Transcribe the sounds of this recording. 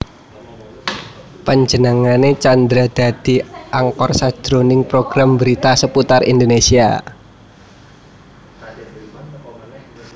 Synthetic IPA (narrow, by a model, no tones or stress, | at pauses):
pəɲd͡ʒənəŋanet͡ʃand̪ɾad̪̥a̤d̪̥i̤ʔaŋkɔrsad̥d͡ʒʒ̥ɾonɪŋpɾoɡ̥ɾambəɾit̪asəput̪arʔḭnd̪onesia̰